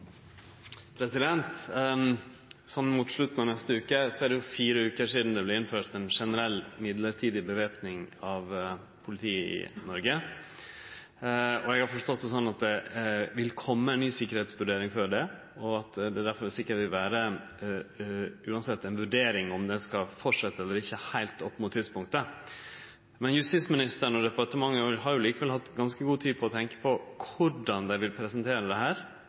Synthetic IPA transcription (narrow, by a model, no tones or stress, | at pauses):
pʰɾɛsɪd̪ɛnt̪ | sɔnːmut̪ʂɭʉt̪ːn̩ɑnɛst̪əʉːkəsɔæɖɛjʊfiːɾəʉːkəʂiːd̪n̩d̪ɛblɛɪnføːʈ̪ɛnʂɛnəɾɛlːmɪd̪ləɾʈʰiːd̪ɪbəʋeːpnɪŋɑʋ | pʰʊlɪt̪ʰiːəɪ̰nɔɾɡə | ɔɛɡɑɾfɔʂt̪ɔt̪ːɛsɔnːɑt̪̚d̪ɛʋɪlkʰɔmːəæɛnyːsɪkːəɾheːt̪sʋʉɖeːɾɪŋfɔɖɛ | ɔɑt̪d̪ɛːd̪æɾfɔɾʋɪlsɪkːəʋɪlʋæːɾə | ʉːɑnsɛt̪ːɛnʋʉɖeːɾɪŋɔmd̪ɛskɑfɔʈʂɛt̪ːəɛlːəɾɪçːəhæɪlt̪ɔpːmʊt̪ʰːɪd̪spʊŋkt̪ə | mɛnjʉst̪ɪsmɪnɪst̪əɾəɳɔd̪ɛpɑʈəmɑŋːəɦɑɾjʊliːkəʋɛlhɑt̪ːɡɑnskəɡuːt̪ʰiːpʰɔɔt̪ʰɛŋkə̥pʰɔkʰʊɖɑnd̪æɪʋɪlpʰɾɛsənt̪ʰeːɾəd̪ɛɦæːɾ